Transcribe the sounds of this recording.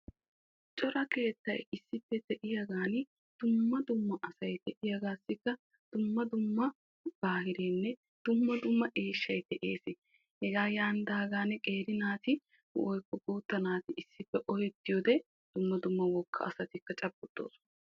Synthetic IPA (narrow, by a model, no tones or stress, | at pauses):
t͡ʃʼɔɾɐke̞ːt̪ːɐjɪsːɪpːɛt̪ɛʔɪjɐɡaːnɪ | d̪̥ʊmːɐd̪ʊmːɐʔɐsɐjt̪ɛʔɪjɐɡaːsːɪkːɐ | d̪̥ʊmːɐd̪ʊmːɐ | b̥aːhɪɾeːnːɛ | d̪̥ʊmːɐd̪ʊmːɐʔeːʃːɐjt̪ɛʔe̞ːsɪ | hɛɡaːjaːnd̪aːɡaːnkʼe̞ːɾɪnaːt̪ɪ | hʊ̰ʔɔjkːɔɡuːt̪ːɐnaːt̪ɪɪsːɪpːɛʔɔhɛt̪ːɪjɔːd̪ɛ | d̪̥ʊmːɐd̪ʊmːɐwɔkʰːɐ̰ɐ̰sɐt̪ɪkːɐt͡ʃʼɐbːʊt̪ːo̰ːs